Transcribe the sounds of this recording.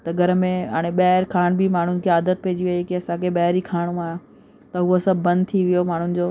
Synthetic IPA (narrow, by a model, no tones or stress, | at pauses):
t̪ɐɡʱɐɾmẽa̰ːɽ̃eɓɐɦɪɾkʰaːɽ̃bimaːɳ̤ʊnɪ̆kʰeaːd̪ət̪̚pɛɦɪd͡ʑiʋɐikiɐsãkʰeɓɐɦɪɾikʰaːɽ̃ũaːɦjã | t̪ɐɦʊosɐbʱːɐ̃nd̪̚t̪ʰiʋijomaːɳ̤ʊnɪ̆d͡ʑoː